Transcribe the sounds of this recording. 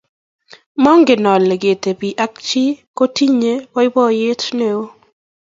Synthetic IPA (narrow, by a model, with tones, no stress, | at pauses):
mɔ˦ŋɡɪ˨nɔ˨le˨ɡe˨t̪e˨pi˨ʔa˦k̚t͡ʃɪ˦ko˦ti˦ɲe˦wɔ˦ɪ˦bɔ˦je˦tne˦o˦